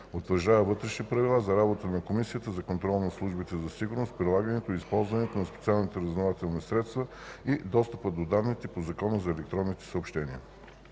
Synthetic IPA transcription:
ot̪vəɾʒd̪avəvɤt̪ɾɛʃnipɾɐvilˠazɐɾabot̪ənɐkomisijət̪əzɐkont̪ɾɔlˠnɐslˠuʒbit̪ɛzɐsiɡʊɾnost̪̚pɾilˠaɡənɛt̪oispɔlˠzvɐnɛt̪onɐspɛt̪sialˠnit̪ɛɾɐznovat̪ɛlˠnisɾɛt̪st̪vəid̪ɔst̪əpəd̪od̪avnit̪ipozɐkɔnəzɐɛlɛk̚t̪ɾɔnːit̪ɛ̥səopʃt̪ɛniə

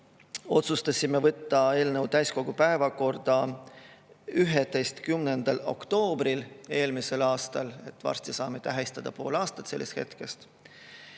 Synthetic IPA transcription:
o̞t̪sust̪ɑsʲime̞vɤt̪ːɑe̞ːlnewt̪æjsko̞ɡ̥upæevɑko̞rd̪̥ɑ | yɦet̪e̞jst̪kymne̞nd̪̥ɑlo̞̰kt̪o̞ːbɾile̞ːlmise̞lɑːst̪ɑle̞t̪ːvɑ̰rst̪isɑːmet̪æɦist̪ɑd̪̥ɑpoːlɑːst̪ɑt̪se̞lːest̪he̞̰t̪ke̞st̪

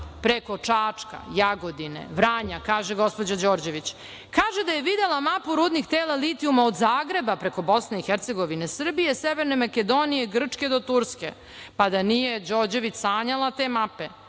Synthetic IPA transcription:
pɾeko̞t͡ʂaːt͡ʂka̰jaɡo̞d̪inḛʋɾaːɲakaːʒeɡo̞spo̞d͡ʑad͡ʑo̞ːɾd͡ʑe̞ʋit͡ɕ | kaːʒed̪ajeʋid̪elˠamapuɾuːd̪nixt̪eːlˠalit̪iumaod̪zaːɡɾe̞bapɾe̞ko̞bo̞sneixeɾt̪se̞ɡo̞ʋine̞sr̩bijeseʋeɾne̞maked̪o̞nijeɡr̩t͡ʂke̞d̪ot̪uɾske̞̰ | pad̪anijed͡ʑoːɾd͡ʑe̞ʋit͡ɕsaːɲalˠat̪eːmape̞

